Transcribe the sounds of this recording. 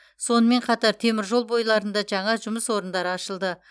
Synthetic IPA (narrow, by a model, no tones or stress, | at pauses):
so̞nəme̞ɴqʰɑt̪ɑɾt̪ʰe̞mɪɾʒo̞lˠbo̞jlˠɑɾənd̪ɑʒɑɴɑʒʊməswo̞ɾənd̪ɑɾəɑʃəlˠd̪ə